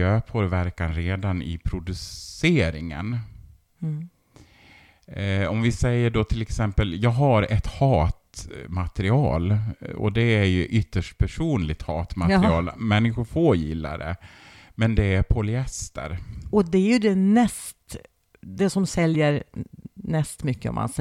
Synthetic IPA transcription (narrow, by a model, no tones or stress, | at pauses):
øːpʰoːɾvæɾkanɾeːd̪anɪ̰pʰɾʊd̪ɵseːɾɪŋə̰n | ɔmvɪsɛjːəɖot̪ʰɪlɛksɛmpəljɑːɡɦaɾɛt̪hɑːt̪mat̪ɾɪɑːlɔ̰d̪ɛæɾjɵʔʏt̪ːəʂʈ̚pʰæʂuːnlɪɡ̚t̪hɑːt̪mat̪ɪɑːlmɛnːɪɧʊɾfoːjɪ̰lːa̰ɾɛ̰ | mɛnd̪ɛæɾpʰɔlɪɛst̪ə̰ɾɔd̪ɛæɾjɵd̪ɛnɛst̪ | d̪ɛsɔmsɛljəɾnɛst̪mʏkːəɔ̰mʔa̰ns